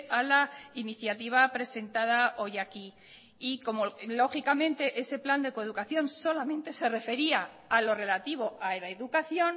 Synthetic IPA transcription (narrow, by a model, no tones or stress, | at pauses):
alainiθjat̪iβ̞apɾe̞se̞nt̪að̞ao̞jaki | iko̞molo̞xikamẽ̞nt̪e̞ʔe̞se̞pland̪ekoeð̞ukaθjo̞nso̞lamẽ̞nt̪e̞se̞re̞fe̞ɾia | alo̞re̞lat̪iβ̞o̞ʔalaeðukaθjo̞n